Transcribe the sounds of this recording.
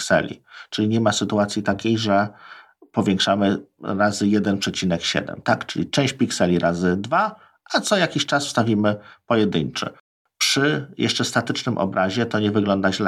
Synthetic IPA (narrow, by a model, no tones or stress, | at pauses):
ksɛ̰lʲḭt͡ʂɘlʲiɲɛmasɘt̪uat̪sʲjit̪akʲejʐɛ | pɔvʲjɛŋkʂamɘɾazɘjɛd̪ɛnpʂɛt͡ɕinɛkɕɛ̰d̪ɛ̰mt̪akt͡ʂɘlʲit͡ʂɛ̃w̃ɕt͡ɕpʲiksɛlʲiɾʔazɘd̪va | at̪sɔjakʲiɕt͡ʂasfst̪avʲimɘpɔjɛd̪ɘɲt͡ʂɛ̰ | pʂɘjʔɛ̰ʂt͡ʂɛst̪at̪ɘt͡ʂnɘmʔɔ̰bɾaʑɛt̪ɔɲɛvɘɡlɔnd̪aʑlɛ